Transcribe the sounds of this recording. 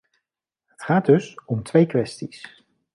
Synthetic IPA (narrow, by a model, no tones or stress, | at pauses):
ɦətχaːd̚ɵsɔmtʋejkʋɛstis